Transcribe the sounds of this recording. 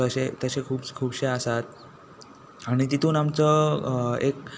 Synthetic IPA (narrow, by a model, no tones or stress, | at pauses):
əɕet̪əɕekʰuːbkʰuːbɕeəsat̪̚ | aɽ̃it̪it̪ʰuːnamt͡sə | ek̚